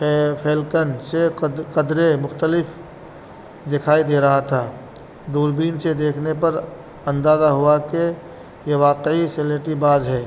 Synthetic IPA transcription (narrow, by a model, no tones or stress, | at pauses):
pʰeːlkənseqəd̪ɾemʊxt̪əlɪf | d̪ɪkʰaːid̪eːɾɐɦat̪ʰaː | d̪uːɾbiːnsed̪eːkʰnepɐɾ | ɐ̃nd̪aːzaɦʊake | jeʋaːqeiseleːʈibaːzɦɛː